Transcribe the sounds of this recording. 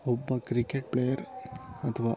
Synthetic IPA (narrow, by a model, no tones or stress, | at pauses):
ɔbːɐkɾikeʈ̚pɭejɐɾɐt̪ʰɐʋaː